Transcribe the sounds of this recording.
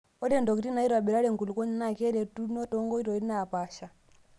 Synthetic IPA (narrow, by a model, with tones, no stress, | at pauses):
ɔ˦ɾɛ˦˨ndɔ˨ki˨ti˦na˨i˦ɾwa˨ɓɛ˨ɾa˦ɾɛ˦˨ŋku˨lu˨kɔ˦ɲi˦na˦˨kɛ˦ɾɛ˨tu˦nɔ˦tɔ˦ŋɡɔ˦i˦ɾɔ˨i˦na˨pa˨ʃa˨